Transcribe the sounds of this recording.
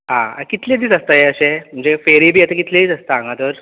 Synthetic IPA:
ɦã̰akit̪led̪iːt͡səst̪ajeəɕemm̤əɳd͡zefeɾibʱiːjɛt̪əkit̪led̪it͡səst̪aãŋɡãt̪əɾ

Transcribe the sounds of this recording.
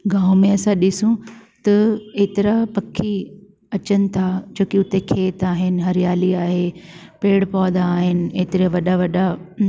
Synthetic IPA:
ɡãːʊ̃mẽɐsãɗɪsũt̪ɐeːt̪ɪɾapɐkʰːi | ɐt͡ɕənɪ̆t̪ʰad͡ʑoːkiʊt̪ekʰeːt̪aːɦɪnɪ̆ɦɐɾijaːliaːɦepeːɽpɔːd̪aːɦɪnɪ̆eːt̪ɪɾiaʋɐɗaʋɐɗa

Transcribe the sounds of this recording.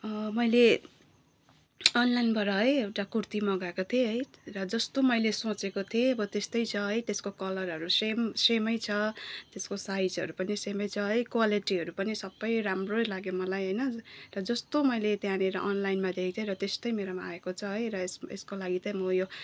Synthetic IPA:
ʌmʌjle | ʌnlajnbʱʌɾʌɦʌjewʈakurt̪imʌɡakot̪ʰieɦʌjrʌd͡zʌst̪omʌjlesot͡sekot̪ʰieʌbʌt̪est̪ʌjt͡sʰʌɦʌjt̪eskokʌlʌɾɦʌɾusemsemʌjt͡sʰʌt̪eskosajd͡zɦʌɾupʌnisemʌjt͡sʰʌɦʌjkwaliʈiɦʌɾupʌnisʌbːʌjramrolaɡjomʌlajɦʌjnʌrʌd͡zʌst̪omʌjlet̪jãneɾʌʔʌnlajnmad̪ekt̪ʰeɾʌt̪est̪ʌjmeɾomaaekot͡sʰʌɦʌjɾʌesḛskolaɡit̪ʌmʌjo

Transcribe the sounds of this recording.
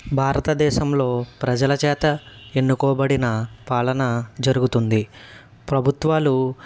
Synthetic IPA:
bʱaːɾɐt̪ɐd̪ɛːʃɐmlo̞ːpɾɐd͡ʒɐlɐt͡ʃɛːt̪ɐe̞nːukɔːbɐɽinɐpaːlɐnɐd͡ʒɐɾuɡut̪und̪i | pɾɐbʱut̪ʋaːlu

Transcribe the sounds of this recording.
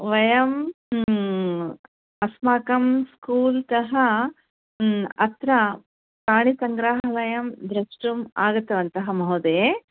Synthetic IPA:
ʋɐjɐm | ɐsmaːkɐmskuːlt̪ɐɦɐ | ɐt̪ɾɐ | paːɳisɐŋɡɾaːɦɦɐʋɐjɐmd̪ɾɐʂʈuma̰ːɡɐt̪ːɐʋɐnt̪ɐɦɐmɐɦud̪eː

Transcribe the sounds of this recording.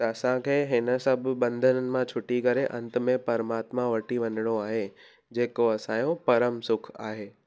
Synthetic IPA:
t̪ɐɐsãkʰeːɦɪnə̆sɐb̆ʱbɐ̃nd̪ʱənənɪ̆mãt͡ɕʰʊʈikɐɾeʔɐ̰̃nt̪̆mẽpɐɾmaːt̪mãʋɐʈiʋɐnɪɽ̃oaːɦe | d͡ʑeːkoɐsãjõpɐɾəmsʊkʰa̰ːɦeː

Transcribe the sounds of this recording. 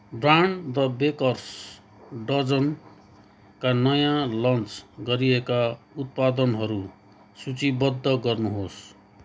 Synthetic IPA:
braɳrʌbekʌrs | ɖʌd͡zʌn | kanʌjãlʌnt͡sɡʌɾiekaut̪̚pad̪ʌnɦʌɾu | sut͡sibʌd̪ʱːʌɡʌrnuɦos

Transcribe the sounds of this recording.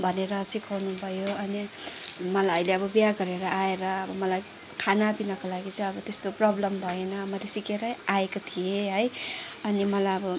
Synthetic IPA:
bʱʌneɾʌsikʰawnubʱʌjoʌnimʌlajʌjleʌbʌbijaɡʌɾeɾʌʔaeɾʌʌbʌmʌlaj | kʰanapinʌkolaɡit͡saj̃ʌbʌt̪est̪oprʌblʌmbʱʌenʌmʌlesikeɾʌaekot̪ʰieɦʌjʌnimʌlajʌbʌ

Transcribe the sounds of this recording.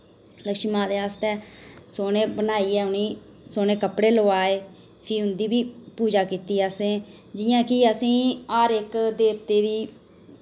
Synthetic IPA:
ləkʃimãːd̪eːaːst̪ɛːsoːneːbənaːiːɛːʊniː | soːneːkəpɽeːloaːeː | pʰiːɦʊ̃nd̪iːbiːpuːd͡ʒaːkiːt̪iːaːsẽː | d͡ʒɪjãːkɪəsĩːaːɾɪkd̪eːpt̪eːd̪iː

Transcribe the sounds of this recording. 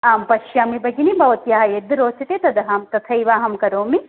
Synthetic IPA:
aːmpɐʃjaːmibɐɡinibʱɐʋɐt̪jaːɦɐjed̪ɾoːt͡ʃɐt̪eːt̪ɐd̪ɐɦɐːmt̪ɐt̪ʰɐiʋaːɦɐmkɐɾoːmi

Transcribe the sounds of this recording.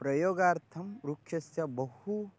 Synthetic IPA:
pɾɐjoːɡaːɾt̪ʰɐmɾukʰjɐsjabɐhu

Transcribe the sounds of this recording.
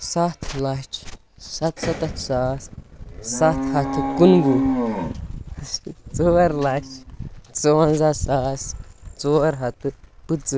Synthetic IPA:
sat̪lat͡ʃ | sat̪sat̪at͡ʃsassat̪hat̪ɨkunbu | t͡soaɾlaʃt͡sowãnzasast͡soaɾɦat̪ɨpɨt͡sɨ

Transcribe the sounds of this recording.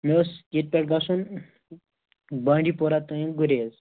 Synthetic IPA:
meset̪̚pʲeʈ̚ɡasuːn | bãɳɖipɔɾat̪əjẽɡuɾez

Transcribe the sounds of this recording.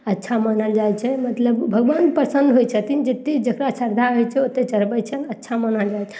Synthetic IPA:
ətːʃʰamənəld͡ʒajt͡ʃʰɛmət̪ləbbʱəɡʋanpəɾsənd̪ɦojt͡ʃʰət̪ind͡ʒet̪ːed͡ʒəkɾasəɾd̪ʱaɦojt͡ʃʰɛot̪ːet͡ʃəɾbət͡ʃʰənətːʃʰamənəld͡ʒajʰɛ̥

